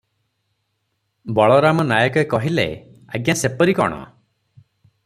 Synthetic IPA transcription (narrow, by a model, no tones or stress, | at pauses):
bɔɭɔɾamɔnajɔkɔekɔɦilḛ | a̰ɡjasepɔɾikɔ̰ɽ̃ɔ̰